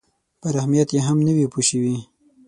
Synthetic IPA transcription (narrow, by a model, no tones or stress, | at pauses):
pəɾahmijat̪jeɦamnəwipuʃəwi